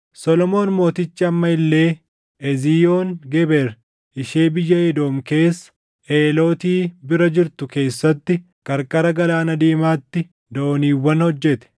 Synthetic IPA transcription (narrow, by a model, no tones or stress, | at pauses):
sɔlɔmo̞ːnmo̞ːt̪ɪt͡ʃːɪɐmːɐɪlːe̞ː | ʔɛziːjoːnɡɛbɛɾ | ʔɪʃeːbɪjːɐjɛd̪o̞ːmke̞ːsːɐ̥ | ʔeːlo̞ːt̪iːbɪɾɐd͡ʒɪɾt̪ʊke̞ːsːɐt̪ːɪ | kʼɐɾkʼɐɾɐɡɐlaːnɐd̪iːmaːt̪ːɪ | d̪ɐoniːwːɐnhɔd͡ʒːɛt̪ɛ̥